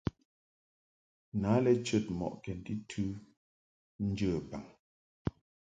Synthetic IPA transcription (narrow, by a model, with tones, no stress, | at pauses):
naː˨˦lɛ˦t͡ʃə˦˨t̚mɔ̰˨ʔkɛ˨n˦ti˦tʰʉ˦ | n̩˦d͡ʒəː˦˨ba˨ŋ